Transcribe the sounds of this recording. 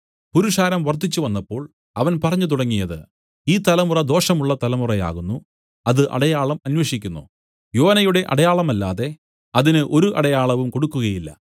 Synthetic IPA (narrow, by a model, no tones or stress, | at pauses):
puɾuʂaːɾɐmʋɐrt̪ːit͡ɕːuʋɐnːɐpːo̞ːɭ | ɐʋɐnpɐrɐɲːut̪uɽɐŋːijɐðɨ̰ | iːt̪ɐlɐmurɐd̪o̞ːʂɐmuɭːɐt̪ɐlɐmurɐja̰ːɣunːu | ɐðɨʔɐ̰ɽɐjaːɭɐmɐnweʂikʲːunːṵ | jo̞ːnɐjuɽe̞ʔɐ̰ɽɐjaːɭɐmɐlːa̰ːðe̞ | ɐðinɨʔo̞ɾuʔɐ̰ɽɐjaːɭɐʋumko̞ɽukːuɣɐjilːɐ̰